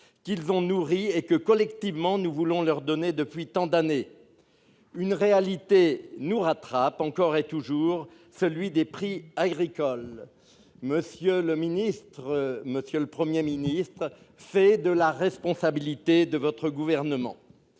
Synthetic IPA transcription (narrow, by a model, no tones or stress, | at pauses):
kilzɔ̃nuʁiekəkɔlɛkt̪ivmɑ̃nuvulɔ̃lœʁd̪ɔned̪əpɥit̪ɑ̃d̪ane | ynʁealit̪enuʁat̪χapɑ̃kɔʁet̪uʒuʁ | səlɥid̪epχiaɡʁikɔl | məsjøləminist̪χməsjøləpχəmjeminist̪χ | fɛd̪əlaʁɛspɔ̃sabilit̪ed̪əvɔt̪χəɡuvɛʁnəmɑ̰̃